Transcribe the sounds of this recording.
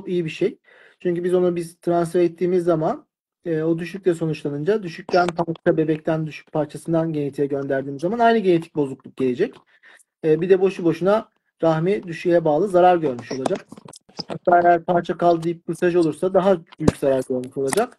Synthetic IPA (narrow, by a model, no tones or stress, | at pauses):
okijibiʃej | t͡ʃʰyɲcybizo̞nubiz̥t̪ʰɾansfɛɾɛt̪ʰːiːmizːaman | ɛːo̞d̪yʃycʲlʲɛso̞nut͡ʃlˠanɯnd͡ʒad̪yʃyc̚cænpʰat͡ʃʰabe̞bɛc̚t̪ʰænd̪yʃy̥c̚pʰaɾt͡ʃʰasɯnd̪anɟe̞net̪ʰijɛɟø̞nd̪æɾd̪iːmizːamanajnɯɟenet̪ʰi̥c̚bo̞zuklˠuk̚ɟe̞lʲe̞d͡ʒɛc | ɛːbid̪ɛboʃubo̞ʃuna | ɾaxmid̪yʃyjɛbaːlˠɯzaɾaɾɟø̞ɾmyʃo̞lˠad͡ʒak̚ | hak̚t̪ʰaːe̞jæɾpʰaɾt͡ʃʰakalˠd̪ɯjɯp̚kuɾt̪ʰaʒo̞lˠuɾsad̪aɦabyjycʲz̥aɾaɾɟøɾmyʃo̞lˠad͡ʒak